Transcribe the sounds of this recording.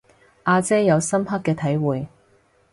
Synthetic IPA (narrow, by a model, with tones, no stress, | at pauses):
ʔaː˧t͡sɛː˥jɐ˨˧wsɐ˥mɦɐ˥kːɛː˧t̪ʰɐ˨˥jwuː˨j